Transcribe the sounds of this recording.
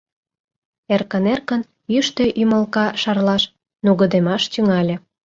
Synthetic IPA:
erkənerkən | jyʃt̪ø̆ʔyməlkɑʃɑrlɑʃ | nuɣə̆d̪emɑʃt̪yŋɑlʲĕ

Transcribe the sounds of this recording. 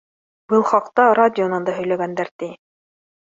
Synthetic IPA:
bɤlˠχɑqt̪ɑɾadʲɪonɑnd̪ɑɦɵ̆jlæɡænd̪æɾt̪i

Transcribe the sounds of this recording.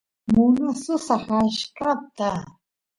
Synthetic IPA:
mʊnsʊsɑχaʃkat̪a

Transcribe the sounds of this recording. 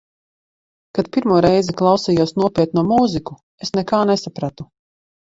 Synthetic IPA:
kat̪piɾmuɔɾɛjziklˠɑwsijuɔsnuɔpʲiɛt̪̚nuːmuːziku | esnɛkaːnesapɾat̪u

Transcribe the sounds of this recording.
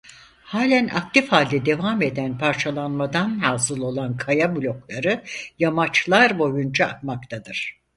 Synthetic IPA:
haːlʲænʔa̰k̚t̪ʰifhalʲd̪ɛd̪e̞vame̞d̪ænpʰaɾt͡ʃʰalˠanmad̪anaːzɯlˠo̞lˠankʰajabulʲo̞klˠaɾɯjamat͡ʃlˠaɾbo̞jund͡ʒʰaat̪makt̪ʰad̪ɯɾ̥

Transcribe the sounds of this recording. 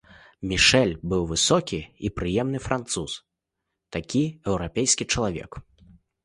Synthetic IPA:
mʲiʂɛlʲbɨwvɨsɔkʲiipɾɨjɛmnɨfɾʔant̪sus | t̪akʲiɛwɾapʲejskʲit͡ʂɐlˠavʲɛ̰k

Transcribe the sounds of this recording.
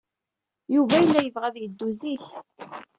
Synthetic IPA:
juvæjəlːæjəvʁæðjəd̪ːuziç

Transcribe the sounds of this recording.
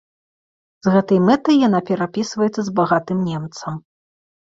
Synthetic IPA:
zɣɛt̪ɐjmɛt̪ɐjːanapʲɛɾapʲisvɐjɛt̪sːɐzbaɣat̪ɨmnʲɛmt̪sɐm

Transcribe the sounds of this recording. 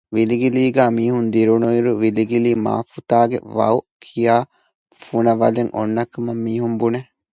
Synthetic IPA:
ʋiliɡiliːɡæːmiːhund̪iɾunuiɾuʋiliɡiliːma̰ːfut̪aːɡḛʋɐ̰ukʰijaː | funɐʋɐleŋʔo̰nːɐkːumɐmːiːɦumbune

